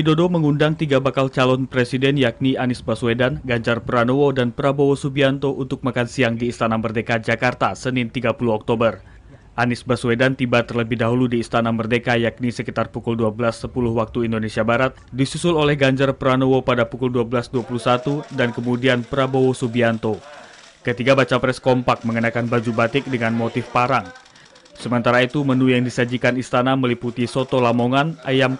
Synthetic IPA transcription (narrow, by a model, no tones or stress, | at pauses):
fidodoməŋundaŋt̪iɡabakalt͡ʃalɔnpɾesidɛnjak̚nianɪsbaswedanɡaɲd͡ʒarpɾanowodanpəɾabowosubiant̪oʔunt̪ʊk̚makansiaŋdiːst̪anamərdekad͡ʒakart̪asənɪnt̪iɡapuluɔk̚t̪obər | ʔanɪsbaswedant̪ibat̪ərləbɪhdaɦuludiːst̪anamərdekajak̚nisəkit̪arpukulduabəlasːəpulʊhwak̚t̪uindonesiabaɾat̪̚disusʊlolɛhɡaɲd͡ʒarpɾanowopadapukulduabəlasduapuluhsat̪udankəmudianpəɾabowosubiant̪o | kət̪ikabat͡ʃapɾɛskɔmpak̚məŋənakanbad͡ʒubat̪ɪk̚dəŋanmot̪ɪfpaɾaŋ | səmənt̪aɾait̪umənujaŋdisad͡ʒikanist̪anaməliput̪isot̪olamoŋanajam